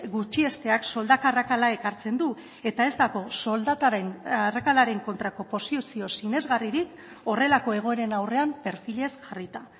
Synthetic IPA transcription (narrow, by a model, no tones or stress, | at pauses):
ɡut͡ʃie̞st̪e̞akso̞ld̪akarakalae̞kaɾt͡se̞nd̪u | e̞t̪ae̞zt̪aɣo̞so̞ld̪at̪arakalaɾe̞ŋko̞nt̪ɾako̞po̞sisio̞sine̞zɣariɾik | o̞re̞lako̞e̞ɣ̞o̞e̞ɾe̞nawre̞ampe̞ɾfile̞sʝarit̪a